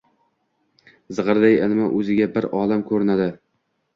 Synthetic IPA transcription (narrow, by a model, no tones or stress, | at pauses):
zɨʁɨɾd̪ajɪlmaʔɵzɪɡʲabɪɾɒːlamkʰɵɾɪnad̪ɪ